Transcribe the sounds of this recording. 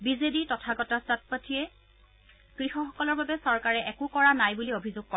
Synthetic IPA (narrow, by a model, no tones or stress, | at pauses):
bizeditɔtʰaɡɔtastat̚patʰiɛ | kɹixɔxɔkɔlɔɹbabɛsɔɹkaɹɛʔɛkʊkɔɹanajbuliobʱizʊɡ̚kɔ